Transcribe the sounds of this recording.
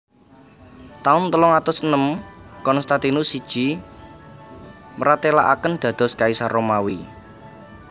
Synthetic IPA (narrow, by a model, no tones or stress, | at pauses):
t̪aʊnt̪əlɔŋat̪ʊsənəmkɔnst̪at̪inusid̥ʒ̥i̤ | məɾat̪ela̰ʔa̰kənd̪̥ä̤d̪̥ɔ̤skaisaɾomawi